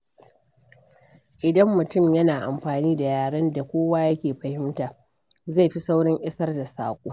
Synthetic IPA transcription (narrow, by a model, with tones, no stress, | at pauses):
ʔɪ˨dɐ˦mːʊ˨tʊ˦˨mjɐ˦naː˨ʔa˨mɸaː˨niː˦da˨jaː˨ɽɐ˦nda˨kʷoː˦waː˦jɐ˦kʲeː˨ɸɐ˨hɪ˦mtaː˨ | za˦˨jɸi˦sa˦wɽɪ˦ŋʔɪ˦sɐ˦rda˨saː˨kʷʼoː˦